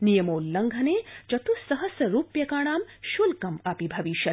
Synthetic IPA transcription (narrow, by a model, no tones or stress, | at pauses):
nijɐmoːlːɐŋɡʱɐneːt͡ʃɐt̪usɐɦɐsɐɾuːpjɐkaːɳaːmʃulkɐmɐpibʱɐʋiʃɐ